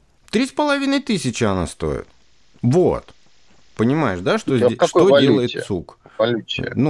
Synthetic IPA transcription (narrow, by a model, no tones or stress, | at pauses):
t̪ɾʲispəlˠɐvʲinəjt̪ɨsʲɪt͡ɕɪɐna̰st̪o̞̰ɪ̰t̪̚ | vo̰t̪ | pənʲɪmajɪʂd̪aʂt̪ozʲʂodʲelˠəjɪt̪sukvɐlʲut͡ɕnu